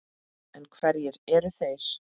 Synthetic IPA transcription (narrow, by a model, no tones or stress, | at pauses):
ɛnkʰvɛɾjɛɾɛɾʏθejɾ̥